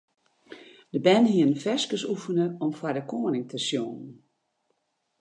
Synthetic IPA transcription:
dəbɛnhiəənfɛskəsufənəɔmfwardəkʰoːənɪŋtʰəsjoːnən

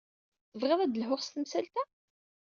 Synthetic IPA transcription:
θəvʁeðˤæd̪əlɦʊχst̪msælt̪æ

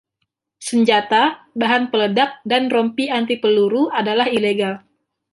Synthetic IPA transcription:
səɲd͡ʒat̪abaɦanpələdap̚danrɔmpiant̪ipəluɾuadalahileɡal

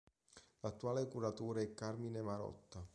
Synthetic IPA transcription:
lat̪ːuaːlekuɾat̪uːɾaɛkːarminemaɾɔ̰t̪ːa

